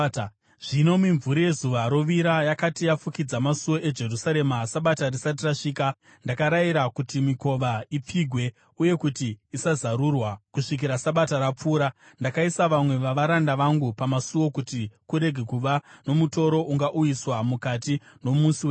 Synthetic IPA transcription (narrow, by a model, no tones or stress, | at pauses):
ʐ̥ino̞miɱvuɾije̞zuʋaɾo̞ʋiɾajakatijafukid͡zamasuwo̞ʔe̞d͡ʒe̞rusaɾe̞masaɓatarisat̬iraʂiːka | ndakaɾaiɾakutimiko̞ʋaip͡fiɡʱwe̞ | uje̞kutiːsazaɾurwakuʂik̬iɾasaɓataɾap͡fuːɾa | ndakaisaʋamwe̞ʋaʋaɾandaʋaŋɡupamasuo̞kutikuɾe̞ɡʱe̞kuʋano̞muto̞ɾo̞ʔuŋɡaʔujiswamukatino̞musiwe